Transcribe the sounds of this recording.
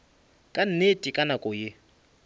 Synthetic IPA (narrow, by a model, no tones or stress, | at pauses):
kʼan̩netʼikʼanakʼʊjɪ